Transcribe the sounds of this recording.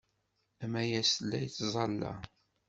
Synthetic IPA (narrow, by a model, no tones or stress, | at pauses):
æmæjæsəlːæjt͡sːzˤɑlːɑ̰